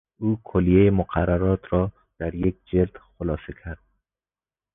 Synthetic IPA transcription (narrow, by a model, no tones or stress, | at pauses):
uːkʰolijejemʊqʰaraɾɒt̪ʰɾɒː | d̪̥æɾjek̚d͡ʒeld̪xolɒːsekʲʰæɾd̪̥̚